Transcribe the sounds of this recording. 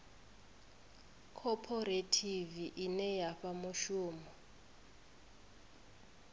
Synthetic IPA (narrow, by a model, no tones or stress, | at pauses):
kʰɔpʰɔɾetʰiviʔinɛjaɸamuʃuːmɔ